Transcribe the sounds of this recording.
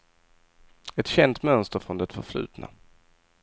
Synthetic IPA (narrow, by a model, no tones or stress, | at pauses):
ɛt̪ɕɛnt̪mœnst̪əɾfɾɔnd̪ɛt̪fœɾflʉ̟̰ːt̪na̰